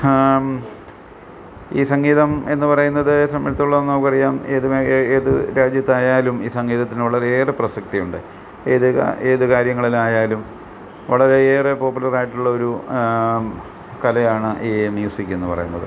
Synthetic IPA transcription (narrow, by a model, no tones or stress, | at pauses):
ḭːsɐŋɡiːðɐme̞nːɨpɐrɐjunːɐðɨsɐmjɐlt̪ːuɭːɐnːo̞ːkʲːɨɐrijaːmeːðumeːðɨɾaːd͡ʑjɐt̪ːaːjaːlumiːsɐŋɡiːðɐt̪ːinʋɐɭɐɾe̞eːreprɐsɐk̚t̪ijuɳɖɨ | eːðɨ̰e̞ːðɨkaːɾjɐŋːɐɭilmaːjaːlum | ʋɐɭɐɾe̞eːrepo̞ːpːulɐraːjiʈːuɭːɐo̞ɾu | kɐlɐjaːɳɨʔiːmjuːsikʲːue̞nːɨpɐ̰rɐ̰junːɐ̰ðɨ̰